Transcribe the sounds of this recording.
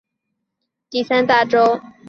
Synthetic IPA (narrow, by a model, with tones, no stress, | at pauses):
t̪i˥˩sa˥nt̪a˥˩ʈ͡ʂo˥ʊ